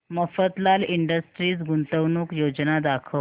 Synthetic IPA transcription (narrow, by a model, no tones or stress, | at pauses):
məfət̪laliɳɖəsʈɾiːt͡sɡunt̪əʋnuːkjod͡ʑnad̪akʰə